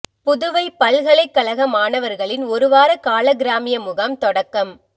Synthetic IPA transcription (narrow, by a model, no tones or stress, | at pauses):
pʊðʊʋɐɪpːɐɭɣɐɭɐɪkːɐɭɐɣɐmaːnɐʋɐɾɣɐɭɪnɔɾɯʋaːɾɐkaːɭɐɡɪɾaːmɪjɐmʊɣɐmt̪ɔɽɐkːɐm